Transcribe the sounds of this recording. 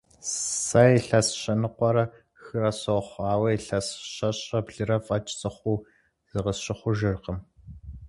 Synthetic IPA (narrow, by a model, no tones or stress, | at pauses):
sɐjiɬɐsɕɐnɨqʷɔɾɐ | xɨrɐsɐwχʷɑːwɐiɬɐsɕɐɕʼɐbɮɨɾɐfʼɐt͡ʃʼt͡sʼɨχʷuː | z̥ɨʁɐsɕɪχʷʊʒɨrqəm